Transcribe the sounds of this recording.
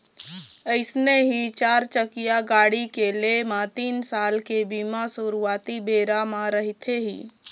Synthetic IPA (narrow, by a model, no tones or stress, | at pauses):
əɪsneɦit͡ʃaːɾt͡ʃəkijaɡaɽikelemat̪iːnsalkebimasuɾuat̪ibeɾamaɾəɦit̪ʰeɦḭː